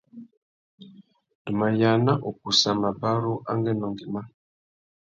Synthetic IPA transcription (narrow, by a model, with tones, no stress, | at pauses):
du˨ma˨ja˨na˦ʔo˨k̚u˨sa˨ma˨ba˦ɾu˦ʔa˦ŋɡɛ˦nɔ˨ŋɡi˨ma˦